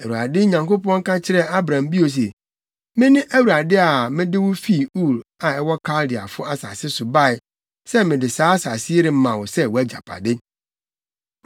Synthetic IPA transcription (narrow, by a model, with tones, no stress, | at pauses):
æ˨u˨a˨dɪ˦ɲã˨ŋko˦pɔ̃˦ŋ̩˦kã˦t͡ɕʰɪ˦ɾɛ˦a˦bɾã˨mbi˦o˨s̬ɛ˨ | mɪ̃˦nɪ̃˦ʔæ˦wu˨ɾa˨dɪ˦a˨mɪ̃˦dɪ˦wʊ˦fi˦˨u˦˨la˨ɛ˦wɔ˦kʰa˦ldɪ˨a˨fʊ˦a˦sa̰˨sɪ˦sʊ˨ba˦˨ɪ˨ | sɛ˦mɪ̃˨dɪ˨saː˨˦a˦sa˨sɪ˦e˦ɾɪ˦mã˨wʊ˨sɛ˦wɔ˨æ˦d͡ʑa̰˨pʰa̰˨dɪ˦